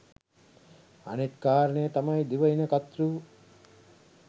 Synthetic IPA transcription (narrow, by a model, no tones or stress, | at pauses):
ɐ̰net̪kaːɾɳejət̪ɐmɐjd̪iʋɐinɐkɐt̪ɾuː